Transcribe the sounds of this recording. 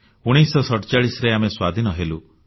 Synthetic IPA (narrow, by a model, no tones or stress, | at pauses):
uɽ̃isɔsɔʈɔt͡ʃaɭisɔɾeameswad̪ʱinɔɦelu